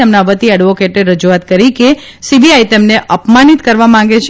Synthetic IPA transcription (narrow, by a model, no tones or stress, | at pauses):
emnaʋət̪iəɖʋokeʈeɾəd͡ʒuat̪̚kəɾike | sibiajt̪emneʔəpmanit̪kəɾʋamãŋɡet͡ʃʰ